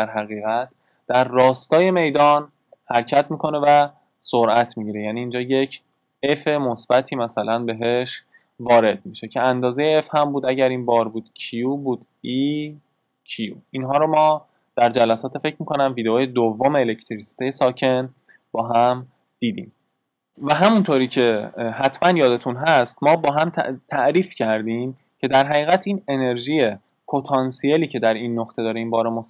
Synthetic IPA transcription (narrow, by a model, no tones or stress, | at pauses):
æɾɦæɣiːɣæt̪ʰ | d̪̥æɾːɒːst̪ɒːje̞me̞jd̪ɒːn | hæɾcʰæt̪ʰmiːkʰo̞ne̞væ | soɾʔæt̪ʰmiɟiɾejæniːnd͡ʒɒːje̞cʰ | e̞fe̞mosb̥æt̪ʰiːmæsælænbe̞ɦe̞ʃ | vɒːɾe̞d̪̥̚miʃe̞cʰeænd̪ɒːzejeefhæmbuːd̪æɟæɾiːnbɒːɾbuːd̪̥cʰijuːbuːd̪ | i | cʰijuinɦɒːɾomɒː | d̪̥æɾd͡ʒælæsɒːt̪ʰe̞fe̞cʰmiːkʰo̞næmviːd̪eoːjed̪ovːomeːlecʰt̪ʰɾisi̥t̪ʰejesɒːcʰe̞n | b̥ɒːɦæm | d̪̥iːd̪ḭːm | væɦæmunt̪ʰoːɾiːcʰe̞hæt̪ʰmænjɒːd̪e̞t̪ʰunɦæst̪mɒːbɒːɦæmt̪ʰt̪ʰæʔɾiːfcʰæɾd̪iːm | cʰe̞d̪æɾɦæɣiːɣæt̪ʰiːne̞ne̞ɾʒije̞ | pʰot̪ʰɒnsijeliːcʰe̞d̪æɾinːoχt̪ʰed̪ɒːɾeiːmbɒːɾemos